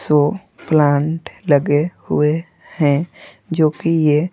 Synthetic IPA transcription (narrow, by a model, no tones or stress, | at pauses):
so | plãːɳʈləɡehʊ̰e | hɛ̃ | d͡ʒoːkije